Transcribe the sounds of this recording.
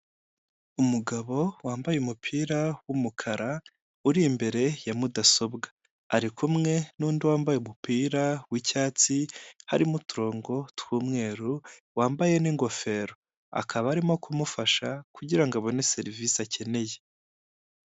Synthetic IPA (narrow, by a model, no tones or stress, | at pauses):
umuɡaβo̞waːmbajeumupʰiːɾawumukʰaɾa | uɾimbe̞ɾe̞jamudaso̞bɡḁː | ɾikʰumŋe̞nuːndiwaːmbajeumupiːɾawicaːt͡siha̰ɾimutuɾo̞ːŋɡo̞twuːmŋe̞ːɾuwaːmbaje̞niŋɡo̞fe̞ːɾo̞ | a̰kʰaβaːɾimo̞kʰumufaʃakuɟiɾaŋɡaβo̞ne̞se̞ɾivisacʰe̞ne̞je̞